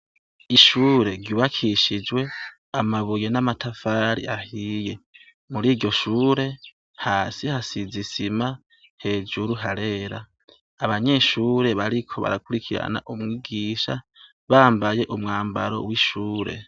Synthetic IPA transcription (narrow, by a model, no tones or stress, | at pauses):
iʃuːɾe̞ɾɟuːβakʰiʃid͡ʒwe̞ | amaβuje̞namatʰafaːɾḭʔahiːje̞ | muɾiːɾɟo̞ʃuːɾe̞ | haːsihasizisima | he̞ːd͡ʒuɾuɦaɾe̞ːɾaː | βaɲe̞ːʃuːɾe̞βaɾikʰo̞βa̰ɾakuɾikʰiɾa̰na̰ʔumŋiːɡiːʃa | βaːmbaje̞ʔumŋaːmba̰ɾo̞̰wiʃuːɾe̞̰